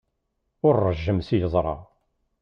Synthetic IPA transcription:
ʊɾːəʒːəmsijəzˤɾˤɑ̰

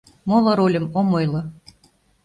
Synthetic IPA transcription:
molŏɾolʲə̆momojlo

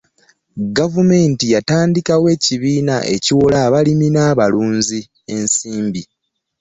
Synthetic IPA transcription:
ɡavume̞ːntijataːndikawe̞ːciβiːnaʔe̞̰ciwolaːβaliminaːβaluːnzi | e̞nsiːmbi

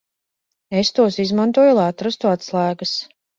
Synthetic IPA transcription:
est̪uɔsizmant̪uɔjulˠajat̪ɾast̪uat̪slˠaːɡas

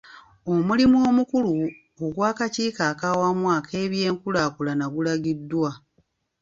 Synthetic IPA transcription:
o̞mulimuo̞ːmukulu | oɡwaːkaciːkaːkawamwaːkʰe̞ːβje̞ːŋkulaːkulanaɡulaɡidːwa

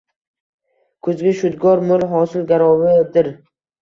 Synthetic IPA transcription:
kʰɵzɡʲaʃʊd̪ɡɒɾmʊlˠɦɒsɪlɡʲaɾɒwɪd̪ɪɾ

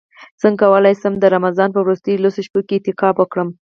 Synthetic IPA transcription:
t͡səŋkawəlajsəmd̪əɾamazɑnpəwɾust̪əjlosoʃpoket̪ɪqɑbəkɽəm

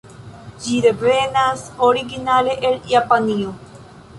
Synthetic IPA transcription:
d͡ʒiɾepɾenasoɾiɡinaleʔeljapanio

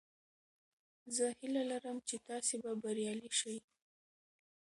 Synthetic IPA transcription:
zəhilalaɾəmt͡ʃet̪ɑsebabaɾjɑliʃaj

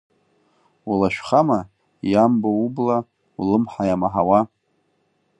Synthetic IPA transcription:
ulaʃᶣχama | jamboubla | ulɨmħajamaħawa

